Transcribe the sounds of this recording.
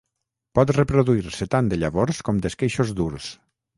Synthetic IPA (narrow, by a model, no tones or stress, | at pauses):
pɔt̪repɾoðuiɾset̪and̪eʎaβoɾskɔmd̪eskejʃozd̪uɾs